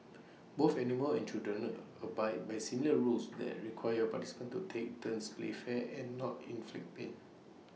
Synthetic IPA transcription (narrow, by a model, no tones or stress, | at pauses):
boθɛniməlɛ̰̃nt͡ʃildɹə̃n | əbaj̚bajsimiləɹulsdɛ̰t̚ɹikʰwajəpati̥si̥pə̃ntutʰek̚tʰə̃nsplḛfɛɛ̃nːɔtĩnflḭk̚pẽn